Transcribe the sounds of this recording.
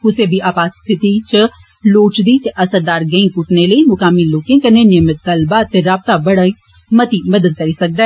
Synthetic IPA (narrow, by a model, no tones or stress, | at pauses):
ʊseːbʱiʔaːbaːt̪st̪ʰɪt̪it͡ʃə | loːt͡ʃd̪iːt̪eʔɐsəɾd̪aːɾɡə̃ĩkʊʈneləimʊkaːmiloːkɪ̃kənːeːnɪəmɪt̪̚kəlbaːt̪eɾaːb̚t̪abəɽaːiː | mət̪iːmɐd̪əd̪̚kəɾiːsɐk̚d̪a